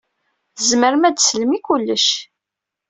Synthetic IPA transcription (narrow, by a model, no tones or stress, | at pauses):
zməɾmæd̪sləmikulːəʃ